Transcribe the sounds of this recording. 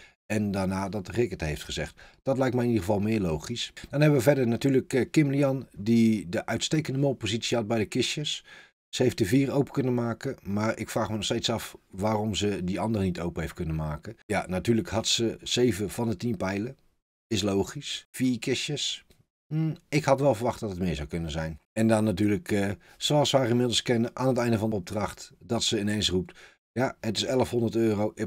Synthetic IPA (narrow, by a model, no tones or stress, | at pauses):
ɛndaːnaːdɑtrɪkəthejftχəzɛχtd̥ɑtlɛjk̚tmɛjɪnidəɣəvɑlˠmɪːɹlowχisd̥ɔnɦɛbəʋəvɛdəɹnatyːləkkɪmliɑndidəʔœɥtstejkəndəmolˠpozitsiɑt̚bɛjdəkɪsjəs | səɦejftdəviːrowpə̥kɵnəmaːkəmaːɹʔɪkfraːχmənɔχstejtsɑfʋaːrɔmzədiɑndərənitowpəɦejft̚kɵnəmaːkəjanatyːləkhɑtsəz̥ejvəv̥ɑndətinpɛjlə | ɪslowχisfiːkɪʃjəs̩ | ɪkhɑtʋɛlˠvəɹʋɑχt̚dɑtətmɪːzawkɵnəzɛjnɛndɑnːatyːləkə | soɑsʋaːrɪmɪdl̩ˠskɪnəʔaːnətɛjndəvɑndəɔb̚drɑχtd̥ɑtsəɪnejnsrup̚t | jaətɪsɛlˠəfɦɔndərtøːrowʔ